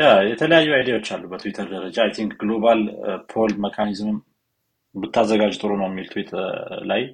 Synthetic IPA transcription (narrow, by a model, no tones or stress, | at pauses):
jajɛt̪ʰələjajːuajd̪ijawo̞t͡ʃːalːubət̪ʰuwit̪ʰəɾd̪əɾəd͡ʒaːjt̪ʰiŋkɡlobalpʰolməkʰanizmɨm | bɨt̪ʰːazːəɡad͡ʒt̪ʼɨɾonəwjɛmːilt̪ʰuwit̪ʰlaj